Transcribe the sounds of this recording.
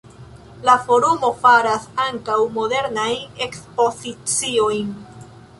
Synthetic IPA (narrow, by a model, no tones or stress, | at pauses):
lafo̞ɾumo̞faɾasaŋkawmo̞de̞ɾnajne̞kspo̞zit͡sio̞jn